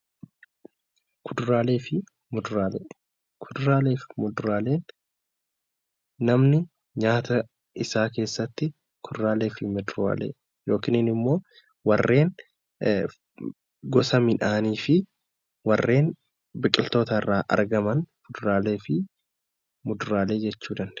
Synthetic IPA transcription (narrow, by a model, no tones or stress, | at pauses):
kʰʊd̪ʊɾaːle̞ːfɪ | mʊd̪ʊɾaːlḛ | kʰʊd̪ʊɾaːleːfɪmʊd̪ʊɾaːleːn | ɐmnɪ | ɲaːt̪ʰɐ | ɪsaːke̞ːsːɐt̪ːɪ | kʰʊd̪ʊɾaːleːfɪmʊd̪ʊɾa̰ːlḛː | jo̞ːkɪnɪnɪmːo̞ː | wɐrːe̞ːn | ɡɔsɐmɪᶑaːniːfɪ | wɐrːe̞ːn | bɪkʼɪlt̪o̞ːt̪ɐɪrːaːʔɐ̰ɾɡɐmɐnfʊd̪ʊɾaːle̞ːfɪ | mʊd̪ʊɾaːle̞ːd͡ʒɛt͡ʃːuːd̪ɐnd̪̥ɛ̥